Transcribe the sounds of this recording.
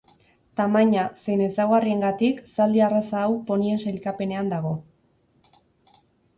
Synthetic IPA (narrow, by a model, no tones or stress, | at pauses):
t̪amaɲase̞jne̞sawɣarie̞ŋɡat̪iksald̪iarasaːwpo̞nie̞nselkape̞ne̞and̪aɣ̞o̞